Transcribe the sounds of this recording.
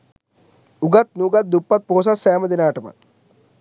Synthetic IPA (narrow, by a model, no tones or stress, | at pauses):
uɡɐt̪̚nuɡɐt̪̚d̪upːɐt̪̚poːsɐseːmɐd̪inaːʈːɐmɐ̰